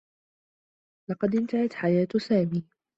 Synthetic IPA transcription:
lɑqɑd̪ʔɪnt̪ahat̪ħajaːt̪saːmiː

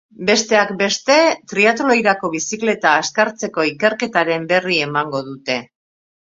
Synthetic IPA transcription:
be̞st̪e̞akbe̞st̪e̞t̪ɾiat̪olojɾako̞βisikle̞t̪aːskaɾt͡se̞ko̞ike̞ɾke̞t̪aɾe̞mbe̞rie̞maŋɡo̞ðut̪e̞

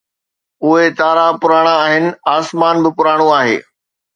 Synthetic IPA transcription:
ʊɦet̪aːɾapʊɾaːɽ̃ãːɦɪnɪ̆aːsmaːnbɪpʊɾaːɽ̃ũaːɦḛː

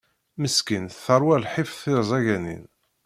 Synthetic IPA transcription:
məskinθəɾˤwælħifθɪɾzˤæʝænḭn

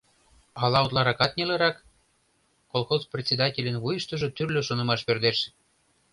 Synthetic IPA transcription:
ɑlɑot̪lˠɑɾɑkɑt̪̚nʲelĕɾɑkː | olˠxozprʲet̪ʲt͡sʲːed̪ɑtʲelʲə̆nβujəʃt̪ɤ̆ʒɤ̆t̪yrlʲøʃonɤ̆mɑʃperd̪eʃ

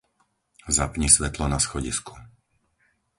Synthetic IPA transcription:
zapɲisʋɛt̪lɔnasxɔɟḭsku̥

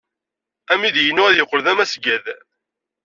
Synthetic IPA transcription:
æmiðjənʊʁæðjəqːlðæmæsɡæð

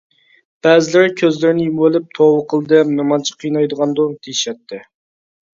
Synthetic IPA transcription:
b̥ɛzɪlɪɾɪkʲʰøzlɪɾnɪjumwølɪp̚t̪ʰowəqʰəlˠɨd̪ɛpnɨmɑnt͡ʃʰə̥qʰijnɑjd̪əʁɑnd̪ot̪ʰejiʃɛt̪ʰːɪ

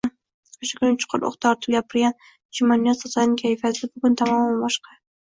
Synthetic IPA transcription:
oʃḁkʲʰʊnɪt͡ʃʰʊ̥qʰʊɾʔo̰χt̪ʰɒɾt̪ʰʊ̥pɡʲapʰɪɾɡʲan | t͡ʃʰɪmanijasɒzanɪŋkʲʰajfaɪbʊɡʊnt̪ʰamɒmanbɒʃqɑ

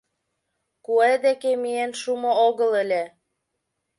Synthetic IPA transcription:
kued̪ekemijenʃumŏoɣɤ̆lĕlʲe

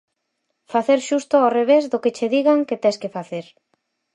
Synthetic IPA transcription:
faθeɾʃust̪ʊoreβ̞ezðʊkɪt͡ʃeðiɣaŋket̪ɛskɪfaθeɾ

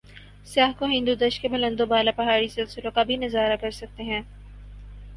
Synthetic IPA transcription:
sɪjaːɦkoɦɪ̃nd̪ud̪ɐʃkebɐlə̃nd̪obaːlapɐɦaːɾisɪlsɪlõkabʱinɐzaːɾakɐɾsɐk̚t̪eɦɛ̃ː

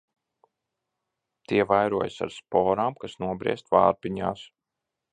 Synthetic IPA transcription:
t̪iɛvajɾuɔjsa̰ɾspɔːɾaːmkasnuɔbɾḭɛst̪va̰ːɾpiɲaːs

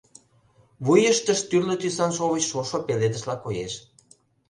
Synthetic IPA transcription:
βujəʃt̪əʃt̪yrlø̆t̪ysɑnʃoβət͡ɕʃoʃopeled̪ə̆ʃlɑkojeʃ

